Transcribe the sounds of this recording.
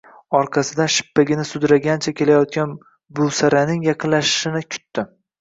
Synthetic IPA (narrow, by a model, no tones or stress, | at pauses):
ɒɾqʰɑsɪd̪aʃɪ̥pːaɡʲɪnɪsʊd̪ɾaɡʲant͡ʃʰakʲʰe̞lajɒt̪̚kʲan | bʊlˠsaɾanɪŋjɑqʰɨnlaʃɪ̥ʃɪnɪkʲʰʊ̥t̪ːɪ